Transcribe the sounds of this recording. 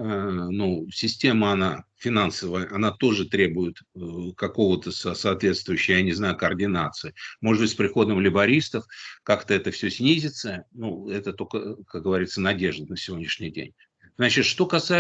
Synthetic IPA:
ənusʲɪsʲtʲe̞məɐnafʲɪnansəvəjəʔɐnat̪o̞ʐɨt̪ɾʲe̞bʊjɪt̪kɐko̞vət̪əsɐsɐːt̪vʲe̞t̪st̪vʊjʉɕːɪjəjanʲɪznajʊkəːrdʲɪnat̪sɨɪmoʐɨd̪bɨtʲspɾʲɪxo̞d̪əmlʲɪbɐɾʲist̪əfkakt̪əɛt̪əfsʲɵsʲnʲizʲɪt̪sənuɛt̪ət̪o̞kəkak̚ɡəvɐɾʲit̪sənɐdʲe̞ʐd̪ənəsʲɪvʲo̞dʲnʲɪʂnʲɪjdʲḛnʲ | znat͡ɕɪt̪ʂt̪o̞kɐsa

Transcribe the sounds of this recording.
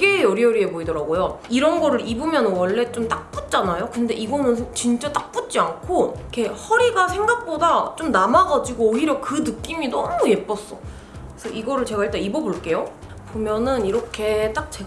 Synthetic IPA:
ɡe̞ʌɾiʌɾiepoidʌɾaɡojoiɾʌnɡʌɾɯɾibumjʌnɯnwʌɭːe̞t͡ɕ͈omt͈ak̚p͈ut̚t͡ɕ͈anajokɯnde̞̰ʔiɡʌnɯnt͡ɕint͡ɕ͈at͈ak̚p͈ut̚t͡ɕ͈iankʰoikʰe̞hʌɾiɡasʰe̞ŋɡak̚p͈odat͡ɕ͈omnamaɡad͡ʑiɡoːɦiɾjʌkɯnɯk͈iminʌmuje̞p͈ʌs͈ʌ | esʰʌʔiɡʌɾɯɭt͡ɕe̞ɡaiɭt͈aibʌboɭk͈e̞jo | pomjʌnɯniɾʌkʰe̞t͈ak̚t͡ɕe

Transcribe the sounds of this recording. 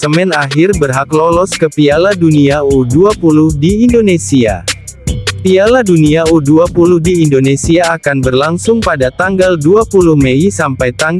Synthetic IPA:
səmɛnaɦɪrbərɦaklɔlɔskəpialaduniauduapuluhdiːndonesia̰ | pialaduniauduapuluhdiːndonesiaːkanbərlaŋsʊŋpadat̪aŋɡalduapuluhmeisampajt̪aŋ

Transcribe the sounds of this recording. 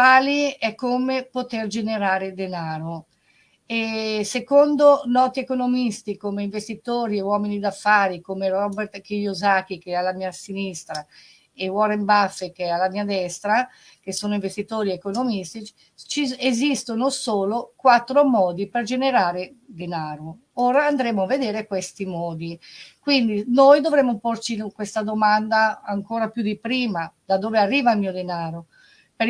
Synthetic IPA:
aːliɛkːomepot̪erd͡ʒeneɾaːɾed̪enaːɾo | esekond̪onɔːt̪iekonomist̪ikomeiɱvest̪it̪oːɾiewɔːminid̪afːaːɾikomerɔbɛɾt̪kijozak̟ik̟ealamiːasinist̪ɾa | ewɔɾembafːekealamiːad̪ɛst̪ɾa | kesːoːnoĩɱvest̪it̪oːɾiekonomist̪it͡ʃ | t͡ʃiezist̪onosoːlokwat̪ːɾomɔːd̪iperd͡ʒeneɾaːɾe | d̪enaːɾo | oːɾaːnd̪ɾemːoavːed̪eːɾekwest̪imɔːd̪ikwind̪inojd̪ovɾɛmːoport͡ʃikwest̪ad̪omand̪aːŋkoːɾapjud̪ipɾiːmad̪ad̪oːvearːiːvailmiːod̪enaːɾo | p

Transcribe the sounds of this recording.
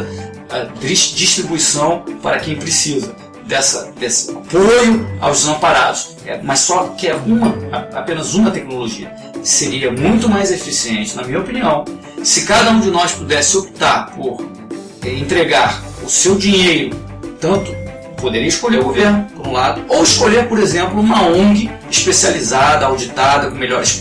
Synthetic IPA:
ɐd̪ɾiʃd͡ʒiʃt̪ɾibuisɐ̃w̃paɾɐkẽj̃pɾɪsizɐ | d̪ɛsɐd̪esɪ̥apojʊa̰wzɐ̃paɾad̪ʊʃ | ɛ̰mɐssɔkɪaũmɐapẽnɐzũmɐt̪ɛknoloʒiɐ̰ | seɾiɐmũj̃t̪ʊmajzefisiẽnt͡ʃɪnɐmĩɲɐopiniɐ̃w̃ | sɪkad̪ɐũd͡ʒɪnɔspud̪ɛsɪopi̥t̪aɾpoɾ | ɛẽnt̪ɾeɡaɾ | ʊsewd͡ʒiɲejɾʊ | t̪ɐ̃nt̪ʊ̥ | pod̪eɾiɐɪʃkolʎeɾʊɡoveɾnʊpoɾũlad̪ʊowɪʃkoʎeɾpoɾezẽmplʊũmɐõɡɪ | iʃpesializad̪ɐawd͡ʒit̪ad̪ɐkõmeʎɔɾɪʃ

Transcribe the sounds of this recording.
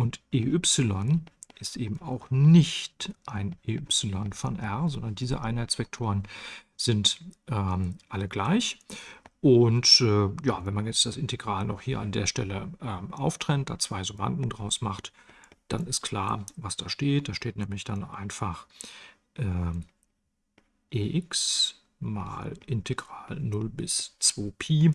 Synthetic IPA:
ʔʊntʔeːʔʏpsɪlɔnʔɪstʔeːbm̩aʊχnɪçtʔaɪneːʔʏpsɪlɔnfɔnʔɛɐzɔndɐndiːzə̰ʔaɪnhaɪtt͡sv̥ɛk̚tʰoːʁənz̥ɪntʔɛːʔaləɡlaɪç | ʔʊntʔɛːjaːvɛnmanjɛt͡sd̥asɪnteɡʁaːlnɔχhiːɐandḛːɐʃtɛləʔɛːmʔaʊftʁ̥ɛnt̚d̥a̰ːt͡sv̥aɪzʊma̰ntn̩dʁaʊsmaχtd̥a̰nɪstkl̥a̰ːɐvasd̥aːʃteːt̚d̥aːʃteːtnɛːmlɪçd̥anʔa̰ɪnfaχ | ʔɛː | ʔeːʔɪks | ma̰ːlʔɪntʰeɡʁaːlnʊlbɪst͡sv̥oːpʰeː

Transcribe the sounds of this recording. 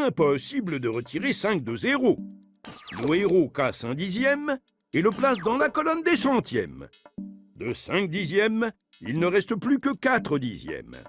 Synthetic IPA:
ɛ̃pɔsibləd̪əʁət̪ʰiʁesɛ̃k̚d̪əzeʁo | ləeʁokasɛ̃d̪izjɛm | eləplasd̪ɑ̃lakɔlɔnd̪esɑ̃t̪jɛ̰m | d̪əsɛ̃k̚d̪izjɛm | ḭlnəʁɛst̪əplykəkat̪χəd̪izjɛ̰m

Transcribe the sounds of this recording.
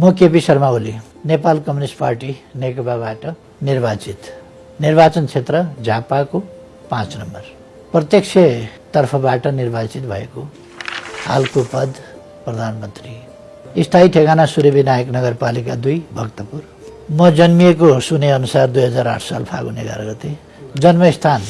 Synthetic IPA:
mʌkepisʌrmaoli | nepalkʌmnisʈparʈinekʌpabaʈʌ | nirbat͡sit̪ | nirbat͡sʌnt͡sʰet̪rʌd͡zʱapako | pãt͡snʌmbʌr | prʌt̪jʌk̚t͡sʰet̪ʌrpʰʌbaʈʌnirbat͡sit̪bʱʌḛko | ha̰lkopʌd̪ʱ | prʌd̪ʱanmʌnt̪ri | ist̪ʰaiʈʰekanasuɾebinajʌknʌɡʌrpalikad̪ujbʱʌkt̪ʌpur | mʌd͡zʌnmijek̬osuneʌnusard̪ujɦʌd͡zaɾa̰ʈʰsa̰lpʰa̰ɡṵnḛɡa̰ɾɡʌt̪e | d͡zʌnmʌist̪ʰan

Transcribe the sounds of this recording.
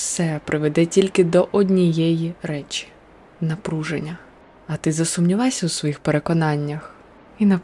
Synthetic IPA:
sɛpɾʔɪʋed̪ɛtʲilʲkɪd̪ɔʔɔdʲnʲijɛjiɾɛt͡ʃi̥ | nɐpɾuʒḛnʲːɐ | ɐt̪ɪzɐsʊmnʲilˠɑsʲɐwsʋɔjixpeɾe̞kɔnɑnʲːɐx | inɐ

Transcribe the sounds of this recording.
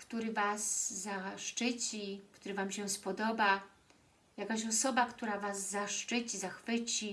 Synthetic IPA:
kt̪uɾɘvasːaʂt͡ʂɘt͡ɕikt̪uɾɘvamɕɛspɔd̪ɔba | jakaɕɔsɔbakt̪uɾavazːaʂt͡ʂɘt͡ɕizaxfɘt͡ɕi

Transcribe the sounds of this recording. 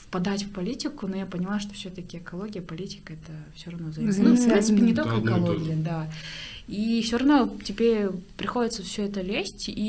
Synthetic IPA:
fpɐd̪atʲfpɐlʲitʲɪkʊnojapənʲɪlˠaʂt̪ofsʲɵt̪əkʲɪɛkɐlˠo̞ɡʲɪjəpɐlʲitʲɪ̥kəɛt̪əfsʲoɾɐvno̞zɐnnunfpɾʲint̪sɨpʲɪnʲɪt̪olʲkəɛkɐlˠo̞ɡʲɪjəd̪a | ifsʲoɾɐvno̞tʲɪbʲepɾʲɪxo̞dʲɪt̪səfsʲɵɛt̪əlʲesʲtʲi

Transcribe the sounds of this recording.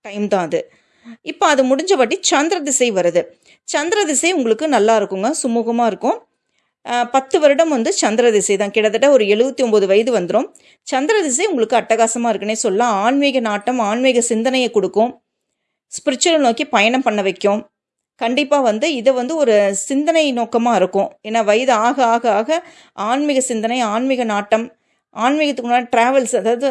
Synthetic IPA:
ʈɐɪmt̪ãːɐðɯ | ɪpːoɐðɯmʊɽɪɲd͡ʒɐpɐːʈːit͡ʃɐnd̪ɪɾɐðɪsɐɪʋɐɾɐðɯ | t͡ʃɐnd̪ɪɾɐðɪsɐɪʊŋɡɐɭɯkːɯnɐlːaːɪɾɯkːɯŋɡɐsʊmuːɣɐmaːɪɾɯkːʊ̃ | pɐt̪ːɯʋɐɾɯɽɐmʋɐnd̪ɯt͡ʃɐnd̪ɪɾɐðɪsɐɪt̪ãːkɪɽɐðɯʈːɐɔɾɯɛɭɯbɐt̪ːiɔmboːðɯʋɐjɐðɯʋɐnd̪ɯɾõː | t͡ʃɐnd̪ɾɐðɪs̬ɐɪʊŋɡɐɭɯkːɯɐʈːɐɣaːsɐmaːɪɾɯkːɐneːsɔlːãːaːnmeːɣɐnaːʈːɐmaːnmeːɣɐsɪnd̪ɐnɐjɐkɔɽɯkːʊ̃ | spɪɾɪt͡ʃːɐlnoːkipɐjɐɳɐmpɐɳːɐʋɐkʲːʊ̃ | kɐɳɖɪpːaːʋɐnd̪ɯɪðɛʋɐnd̪ɯɔɾɯsɪnd̪ɐnɐɪnoːkɐmaːɪɾɯkːʊ̃eːnːaːʋɐjɐðɯaːɣɐaːɣɐaːɣɐ | ʔaːnmɪɣɐsɪnd̪ɐnɐɪaːnmɪɣɐnaːʈːɐm | ʔaːnmiːɣɐt̪ːɯkːnːaːʈɾaːʋɐlsɐðaːʋɐðɯ

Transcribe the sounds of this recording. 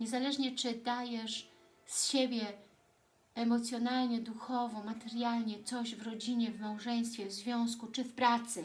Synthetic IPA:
ɲɛzalɛʐɲɛt͡ʂɘd̪ajɛʂ | sɕebʲjɛ | ɛmɔt̪sʲjɔnalɲɛd̪uxɔvɔmat̪ɛɾjalɲɛt̪sɔʑvɾɔd͡ʑiɲɛvmawʐɛj̃s̬t̪fʲjɛvzvʲjɔ̃w̃skut͡ʂɘfpɾat̪sɘ

